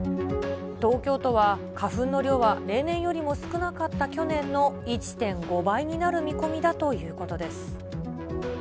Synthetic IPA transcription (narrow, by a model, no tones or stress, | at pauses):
t̪o̞ːkʲo̞ːt̪o̞βakaɸɯ̟̃nːo̞ɾʲo̞ːβaɾe̞ːnẽ̞ɰ̃jo̞ɾʲimo̞sɨ̥kɯ̟nakat̪ːakʲo̞nẽ̞nːo̞it͡ɕi̥t̪ẽ̞ŋɡo̞baiɲ̟inaɾɯ̟mʲiko̞mʲid̪at̪o̞jɯ̟ːko̞t̪o̞d̪e̞sɨ̥